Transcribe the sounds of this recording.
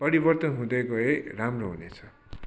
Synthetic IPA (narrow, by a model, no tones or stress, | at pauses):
pʌɾibʌrt̪ʌnɦũd̪ʌkoeramroɦunet͡sʰʌ̥